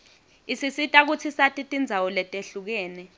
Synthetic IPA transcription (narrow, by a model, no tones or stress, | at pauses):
isisitʼak̬ut͡sʰisatʼitʼind͡zʱawɔlɛtʼeɬuk̬ɛːnɛ